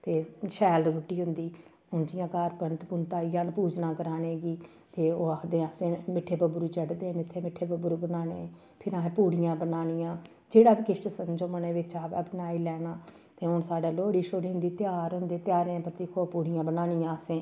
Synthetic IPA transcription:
t̪eːʃɛːlɾuʈːiːɦʊnd̪iː | ʊnd͡ʒɪjãːkaːɾpənt̪pʊnt̪aːiaːnpuːd͡ʒnaːkəɾaːneːɡiː | t̪eːoːəkd̪ẽːəsẽːmɪʈʰːeːpəbʊɾuːt͡ʃəɖd̪eːnɪt̪ʰːeːmɪʈʰːeːpəbʊɾubənaːnḛ̃ː | pʰɪɾãːpuːɽɪjãːbənaːnɪjãː | d͡ʒeːɽaːpkɪʃʈsənd͡ʒomənẽːʋɪt͡ʃaːpɛpənaːiːlɛːnaː | t̪eːɦʊnsaːɖaːloːɽiːʃoːɽiːɦʊnd̪iːt̪ɪjaːɾɦʊnd̪eːt̪jaːɾẽːpɾət̪iːkʰoːpuːɽɪjãːbənaːnɪjãːəsẽː

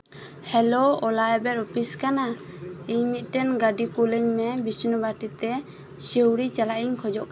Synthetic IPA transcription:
hɛlɔɔlaɛbɛɾɔpʰiskana | iɲmit̪̚ˀtɛnɡaɖipuliɲmɛbisnɔbaʈit̪ɛ | sewɾit͡ʃalaʔiɲkʰɔd͡ʒɔʔk

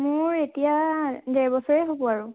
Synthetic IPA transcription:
mʊɹetijadɛɹbɔsɔɹeɦobɔaɹʊ

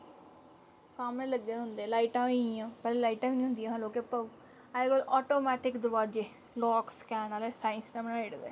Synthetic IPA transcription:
saːmnẽːləɡːeːɦʊnd̪elaːiʈãːiãːpɛːlelaːiʈãːʋiːnĩɦʊ̃nd̪ijãɦəloːkepəu | aːkoːlɔːʈoːmɛːʈɪkd̪ʊʋaːd͡ʒe | lɔːkskɛːnaːlɛːsaːɪnsnɛ̃ːmnːeːɽd̪ḛː

